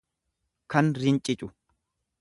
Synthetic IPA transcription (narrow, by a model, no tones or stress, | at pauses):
kɐnɾɪnt͡ʃʼɪt͡ʃʼʊ